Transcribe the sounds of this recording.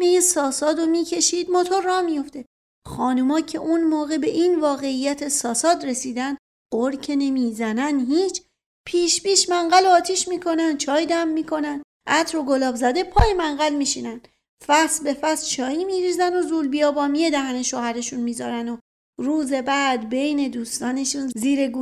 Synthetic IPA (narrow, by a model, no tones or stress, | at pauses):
mejisɒːsɒːd̪omiːcʰe̞ʃiːd̪mɒːt̪ʰoɾːɒːmijo̞ft̪e̞ | xɒːnumɒːcʰe̞ʔunmoːɣe̞be̞ʔiːnvɒːɣe̞ijːæt̪ʰesɒːsɒːd̪ɾe̞siːd̪ænd̪ | ɢoɾcʰene̞mizænænɦiːt͡ʃʰ | pʰiːʃbiːʃmæŋɢæloːt̪ʰiːʃmiːkʰo̞nænd̪̥̚t͡ʃʰɒːjd̪æmːiːkʰo̞nænd̪ | ʔæt̪ʰɾo̞ɡo̞lɒːbzæd̪e̞pʰɒːjemæŋɢælmiːʃinænd̪̥ | fæsbe̞fæst͡ʃʰɒːjimiːɾiːzæno̞zuːlbijɒːbɒːmijed̪æhæne̞ʃoːhæɾe̞ʃunmiːzɒːɾæno | ɾuːze̞bæːd̪be̞jne̞d̪uːst̪ɒːne̞ʃunziːɾeɡu